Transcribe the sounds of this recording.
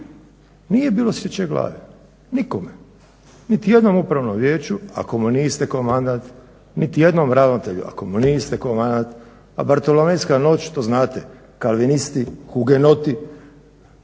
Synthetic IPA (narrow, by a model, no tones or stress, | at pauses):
niːje̞biːlˠo̞sɾet͡ɕeɡlˠa̰ːʋe | nikome | nit̪ije̞d̪no̞mupɾaʋnomʋjeːt͡ʃua̰komunist̪ekomand̪ant̪ | nit̪ijed̪nomɾaʋnot̪eʎṵʔa̰komunist̪ɛkomand̪ant̪ | a̰baɾt̪olomenskano̞ːt͡ɕt̪oznaːt̪e | kalʋinist̪ixuɡenot̪i